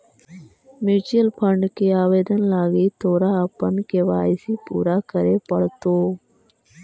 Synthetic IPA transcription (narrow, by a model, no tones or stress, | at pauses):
mɪːd͡ʒiəlpʰə̃ɳɖkeːaːʋeːd̪ənlaːɡiːt̪ʰoːɾaːəpənkeːʋa̰ːɪsiːpṵːɾaːkəɾeːpəɽt̪oː